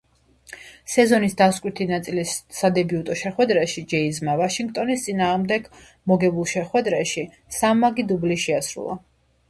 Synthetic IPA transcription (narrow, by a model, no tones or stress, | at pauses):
sɛzɔnisd̪askʼwit̪ʰinat̪sʼilisad̪ɛbiut̪ʼɔʃɛχwɛd̪ɾɛʃid͡ʒɛizmavaʃiŋɡt̪ʼɔnist̪sʼinaːʁmd̪ɛɡ | mɔɡɛbulˠʃɛχwɛd̪ɾɛʃi | samːaɡid̪ubliʃɛasɾṵlˠa̰